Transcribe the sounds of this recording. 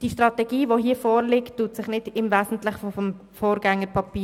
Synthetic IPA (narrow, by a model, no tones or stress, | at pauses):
d̥iʃtʁɑtɛɡ̥iːʋoɦiːəfɔːɾlɪktːuːtsɪχnɪd̥ɪmvæːsn̩tlɪχfɔfɔm | foːɾɡ̥ɛŋːəɾpʰɑpiː